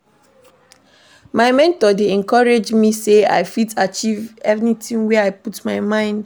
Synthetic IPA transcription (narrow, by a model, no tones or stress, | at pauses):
maɪmɛ̃ntɔdeɛ̃nkɔɹed͡ʒmisea̰ɪfitat͡ʃivɛvnitĩnwɛaɪputmaɪmãɪ̃nd